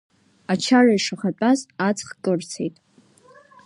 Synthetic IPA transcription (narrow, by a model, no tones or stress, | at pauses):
at͡ʃʰaraiʂaχat͡pʼazat͡sʰχkʼɨrt͡sʰḛjtʼ